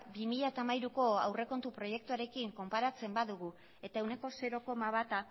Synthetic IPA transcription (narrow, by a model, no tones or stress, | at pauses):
bimiʎat̪amajɾuko̞awre̞ko̞nt̪upɾo̞je̞k̚t̪uaɾe̞kiŋko̞mpaɾat͡se̞mbaðuɣ̞u | e̞t̪aewne̞ko̞se̞ɾo̞ko̞maβat̪a